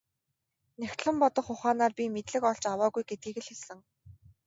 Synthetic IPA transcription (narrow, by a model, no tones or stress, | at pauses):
næxʲt̪ɮə̆mpɔt̪ɞ̆χʊχaːnaːrpʲimet̪ɮɘ̆kɔɮt͡ɕawaːɣujɡet̪̚ɡiːɣɘ̆ɮxesɘ̆ŋ